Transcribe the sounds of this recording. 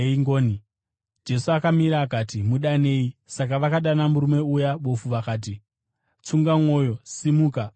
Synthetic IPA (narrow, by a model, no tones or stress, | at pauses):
iŋɡoːni | d͡ʒe̞suakamiɾaːkaːtimuɗane̞ːisakaʋakaɗanamuɾume̞ujaʋo̞fuʋakaːt̬i | t͡suŋɡamwo̞ːjo̞simuːka